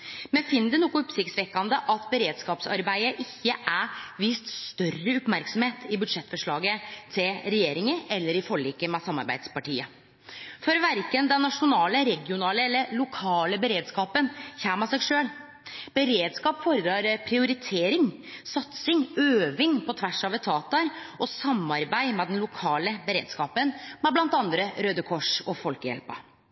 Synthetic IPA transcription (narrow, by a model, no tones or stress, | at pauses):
mɛnfɪnːəd̪ʉnuːkʊɔpsɪkt̪sʋɛkːɑnd̪əʔɑt̪bəɾeːd̪skɑːpsɑ̰ɾbæɪəʔɪçːəʔæʋiːst̪st̪œrːəʊpmæɾksɔmheːt̪ʰɪbʉd̪ʂɛt̪ːfɔʂɭɑːɡət̪ʰɪlɾɛjeːɾɪŋəɛlːəɾɪfɔɭːiːkːəmɛsɑmːɑ̰ɾbæ̰ɪd̪spɑʈḭːə | fɔɾʋæɾkənd̪ɛnːɑʂʊnɑːləɾɛɡɪʊnɑːləɛlːəɾɭʊkʰɑːləbəɾeːd̪skɑːpənçæːmɑsɛɡʂøːl | b̥əɾeːd̪skɑːpfɔɾəd̪ɾɑːɾpʰɾɪʊɾɪt̪ʰeːɾɪŋsɑt̪sɪŋøːʋɪŋpʰɔt̪ʰʋæʂɑːʋət̪ʰɑːt̪ɑɾʔɔsɑmːɑɾbæɪmɛd̪ɛnlʊkʰɑːləbəɾḛːd̪skɑːpənmɛblɑnt̪ɑnd̪ɾəɾøːd̪əkʰɔʂɔfɔlkəjɛ̰lpə̰